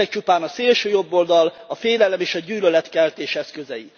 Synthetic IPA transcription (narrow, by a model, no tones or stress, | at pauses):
ɛk̚t͡ʃupaːnɒseːlʃøːjo̞bːo̞ld̪ɒl | ɒfeːlɛlɛmeːʃɒɟyːlølɛt̪kɛlt̪eːʃɛskøzɛji